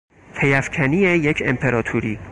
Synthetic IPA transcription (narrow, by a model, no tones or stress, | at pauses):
p̪ʰejæfcʰæniːejecʰempʰe̞ɾɒːt̪ʰuɾiː